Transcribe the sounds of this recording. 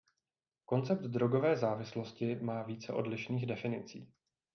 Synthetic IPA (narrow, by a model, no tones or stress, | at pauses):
ko̞nt͡sɛp̚t̪dɾo̞ɡo̞vɛːzaːvɪslo̞scɪmaːviːt͡sɛʔo̞̰dlɪʃniːɣdɛfɪnɪ̰t͡sḭː